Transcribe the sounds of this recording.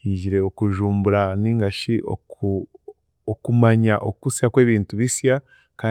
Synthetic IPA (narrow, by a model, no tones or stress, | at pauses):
iɟiɾe̞okuʒuːmbuɾaniːŋɡaʃiʔo̰u | okumaɲaʔo̰kusjakwe̞ːβiːntuβisja | kaː